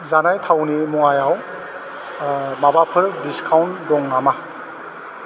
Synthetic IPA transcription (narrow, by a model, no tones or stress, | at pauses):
zanajtʰawnimɔŋajaw | mabapʰɯɾdiskʰawndɔŋnama